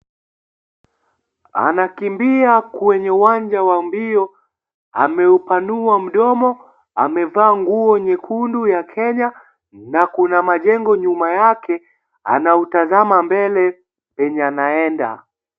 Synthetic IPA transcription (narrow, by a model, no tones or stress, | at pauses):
a̰nakimbiakwɛɲɛuwaɲd͡ʒawambiɔ | a̰mɛupanuam̩ɗɔmɔ | a̰mɛvaːŋɡuɔɲɛkʰundujakʰɛɲa | nakunamaʄɛŋɡɔɲumajakʰɛ | a̰nautazamambɛlɛ | pɛɲanaɛnda̰